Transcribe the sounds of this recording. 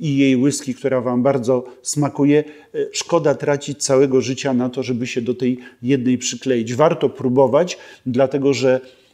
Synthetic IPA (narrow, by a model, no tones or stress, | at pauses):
ijejwɘskʲik̚t̪uɾavambaɾd̪zɔsmakujɛ | ʂkɔd̪at̪ɾat͡ɕit͡ɕt̪sawɛɡɔʐɘt͡ɕanat̪ɔʐɛbɘɕɛd̪ɔt̪ɛjːɛd̪̚nɛjpʂɘklɛjid͡ʑvaɾt̪ɔpɾubɔvat͡ɕd̪lat̪ɛɡɔʐɛ